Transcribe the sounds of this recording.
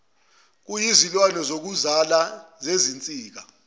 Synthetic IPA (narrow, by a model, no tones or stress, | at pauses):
k̬ujizilwanɔzok̬uzalazezint͡sʼiːk̬a